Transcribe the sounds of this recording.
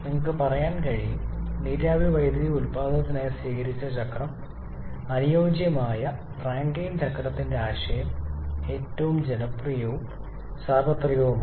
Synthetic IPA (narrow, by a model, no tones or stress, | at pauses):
niŋːɐkːɨpɐrɐjaːnkɐɻijniːɾjaːbʱiʋɐjd̪ɾiulpaːd̪ʱɐɐt̪ːɐnaːjɐsʋiːkɐɾit͡ɕːɐt͡ɕɐkrɐm | ɐnijo̞ːd͡ʑjɐmaːjɐ | raːŋɡejnt͡ɕɐkːɐɾɐt̪ːindeaːʂɐjɐme̞ːtːɐʋumd͡ʑenɐprijoːm | saːrbɐt̪rijoːm